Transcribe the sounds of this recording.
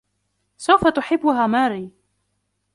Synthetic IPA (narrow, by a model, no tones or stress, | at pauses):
sawfat̪ʊħɪbːʊɦaːmaːɾiː